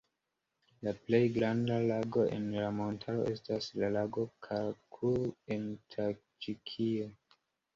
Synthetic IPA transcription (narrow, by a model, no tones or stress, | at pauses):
laple̞jɡɾandalaɡo̞ʔḛnlamo̞ntʰalo̞̰ʔe̞staslalaɡo̞kʰakʰuentʰa | t͡ʃikʰio